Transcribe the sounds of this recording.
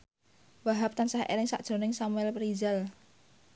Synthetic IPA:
waɦap̚t̪ansahʔḛlɪŋsa̰ʔd̥ʒ̥ɾo̤nɪŋsamuɛlpɾizal

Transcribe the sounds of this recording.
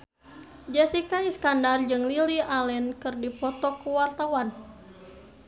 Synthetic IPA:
d͡ʒɛsikaiskandard͡ʒɨŋliliʔalɛnkɨrdipɔt̪ɔkuwart̪awan

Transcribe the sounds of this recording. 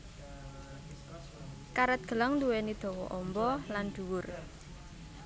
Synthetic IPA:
kaɾət̪̚ɡ̥ə̤lɔŋd̪uwenid̪̥o̤wɔ̰ʔɔmbɔland̪̥ṳwʊr

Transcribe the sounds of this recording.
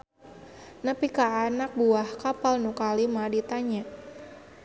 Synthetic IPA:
nəpikaːnak̚buahkapalnukalimadit̪aɲa

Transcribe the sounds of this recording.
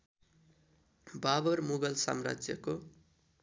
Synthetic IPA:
babʌrmuɡʌlsa̰mra̰d͡zjʌko

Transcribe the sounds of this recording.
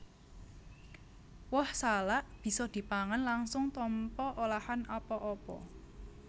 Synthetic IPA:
wɔhsalaʔb̥i̤sɔd̪̥i̤paŋanlaŋsʊŋt̪ɔmpɔʔolahanapɔʔɔpɔ̰

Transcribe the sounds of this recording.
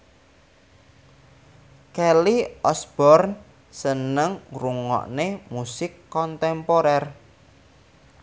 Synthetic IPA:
kɛliʔɔsb̥ɔrn | sənəŋruŋɔ̰ʔnemusɪkːɔnt̪ɛmpoɾɛr

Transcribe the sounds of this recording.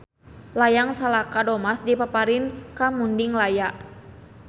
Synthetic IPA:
lajaŋsalakadɔmasdipapaɾinkamundiŋlajaʔ

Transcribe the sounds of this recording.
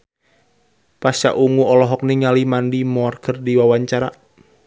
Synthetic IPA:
pasa̰ʔuŋuɔlɔɦɔk̚niŋalimandimɔrkʰərdiwawaɲt͡ʃaɾa̰

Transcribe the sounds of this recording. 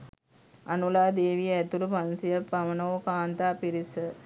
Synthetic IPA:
anulaːd̪eːʋijəɛt̪ulupansijəpamənoːkaːnt̪aːpiɾisə

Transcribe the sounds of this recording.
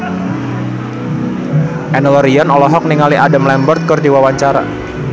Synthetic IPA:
ʔɛnəlɔɾiɔnɔlɔɦɔk̚niŋaliʔadamlɛmbɔrt̪̚kɨrdiwawaɲt͡ʃaɾa̰

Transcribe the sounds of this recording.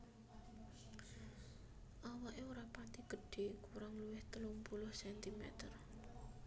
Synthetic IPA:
ʔawaʔeoɾapat̪iɡ̥ə̤ɖ̥e̤kuɾaŋluwɪht̪əlumpulʊhsɛnt̪imɛ̰t̪ər

